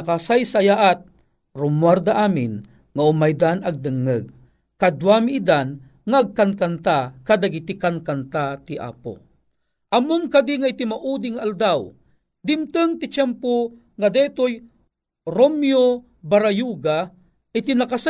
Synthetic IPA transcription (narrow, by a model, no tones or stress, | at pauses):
akasajsajaʔat̪̚ | rʊmward̪aʔaːmɪ̰n | ŋaʊmajd̪anɐɡ̚d̪ɨŋːɨɡ̚ | kad̪wamiʔːd̪an | ŋaːɡ̚kankant̪akad̪aɡit̪ikankant̪at̪iʔa̰ːpo̰ | ʔamoŋkad̪iŋait̪imaʔud̪iŋaːld̪aw | d̪ɪmt̪ɨŋt̪ɪt͡ʃɛmpo | ŋad̪ɛːt̪oj | ɾomjo | baɾajuɡa | ʔɪt̪inakasa